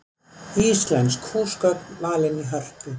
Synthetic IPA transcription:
iːslɛnt̪skhuːskœt̪maːlɪniɦœr̥t̪ɪ

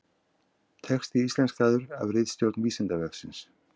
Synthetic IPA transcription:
t̪ʰɛxst̪iist̪lɛnskaːðʏɾa̰vrɪðst̪jowɾt̪nviːsɛnt̪avɛksɪns

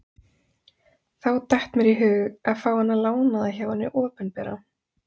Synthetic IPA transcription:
θawt̪aht̪mɛɾiɦʏːɣaðfaːwhanːalaːwnaðaçawanːɪʔɔːpʏnpɛːɾa̰

